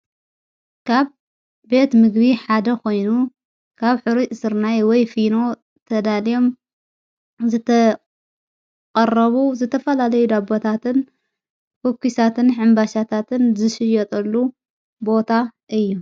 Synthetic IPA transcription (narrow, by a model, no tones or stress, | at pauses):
kʰaβː | e̞t̪mɨɡbiħad̪ɐkʰo̞jnu | kʰaβħɨɾisɨɾnajwɔjfino̞ | t̪ʰɐd̪alijo̞m | zɨt̪ʰɐ | kʼɐrːɐβuzɨt̪ʰɐfɐlalɐjud̪abot̪ʰat̪ɨn | kokʰːisat̪ʰɨnħɨmbaʃat̪ʰat̪ʰɨnzɨʃɨjɐt̪ʼɐlːu | bo̞t̪ʰaʔɨjːu